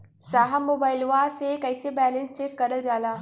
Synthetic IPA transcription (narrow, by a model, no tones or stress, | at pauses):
saːɦamːoːbaːɪlʋasekɐɪsebɛːlə̃nsekɐɾəld͡ʒaːlaː